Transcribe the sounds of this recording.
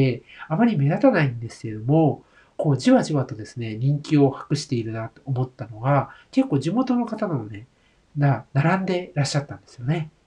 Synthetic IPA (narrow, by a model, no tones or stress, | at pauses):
eamaɾʲime̞d̪at̪anaĩnd̪e̞sɨ̥ke̞ɾed̪o̞mo̞ | ko̞ːʑiβaʑiβat̪o̞d̪e̞sɨne̞ɲ̟ĩŋkʲio̞hḁkɯ̟ɕi̥t̪e̞iɾɯ̟nat̪ːo̥ːmo̞t̪ːano̞ɡake̞kːo̞ːʑimo̞t̪o̞no̞kat̪ananone | nanaɾãnd̪e̞ɾaɕːat̪ːãnd̪esɨjo̞ne̞